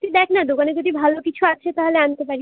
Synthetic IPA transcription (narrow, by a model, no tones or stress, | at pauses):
t̪ud̪ɛkʰnad̪okaned͡ʑod̪ʱibʱalokit͡ɕʰuat͡ɕʰet̪aɦoleant̪epaɾi